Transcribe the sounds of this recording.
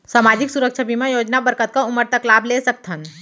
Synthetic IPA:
saːmaːd͡ʒɪksuɾəkʃʰəbimẽjoːd͡ʒnabəɾkət̪̚kaʊməɾt̪əklaːblesək̚t̪ʰən

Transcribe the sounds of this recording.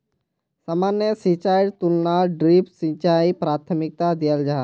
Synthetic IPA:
samaːnjəsit͡ʃaːɪɖt̪ulnaɖɾipsĩt͡ʃaipɾaːt̪ʰəmɪk̚t̪ad̪ijəld͡ʒaː

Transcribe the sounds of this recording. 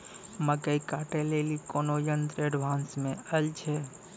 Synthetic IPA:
məkəikaːʈelelikoːnojənd̪ɾeɖʋãːnsmẽəlt͡ʃʰe

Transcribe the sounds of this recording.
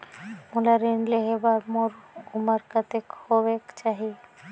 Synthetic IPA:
mulaɾinleɦebaɾmoɾumaɾkat̪ekhobekt͡ʃaɦi

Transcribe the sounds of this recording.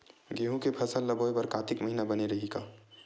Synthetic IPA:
ɡeːɦũkepʰɐsəlːɐboːjbɐɾkaːt̪ɪkmɐɦinabɐneɾɐɦikaː

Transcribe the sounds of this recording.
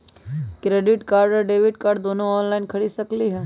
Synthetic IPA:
kɾeɖɪʈkaːɾɖɔɾɖeːʋɪɖkaːɾɖd̪onoɔːnlainkʰɐɽisɐkliɦɛː

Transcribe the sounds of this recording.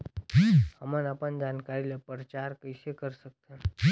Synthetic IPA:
həmənapənd͡ʒankaɾilepɾət͡ʃaɾkəiʃekəɾsək̚t̪ʰã

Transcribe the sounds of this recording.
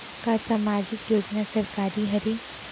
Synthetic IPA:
kasamaːd͡ʒɪkjoːd͡ʒnasɐɾkaːɾiɦɐɾe

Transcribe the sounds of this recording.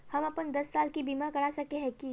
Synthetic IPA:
hɐmɐpənd̪ɐsːaːlkibimakɐɽasɐkeɦɛ̃ki

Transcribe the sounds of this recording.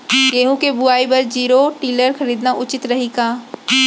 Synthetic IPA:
keːɦũkebʊaːibɐɾd͡ʒiːɾoʈiːləɾxɐɾiːd̪naʔʊt͡ʃɪt̪ɾɐɦikaː

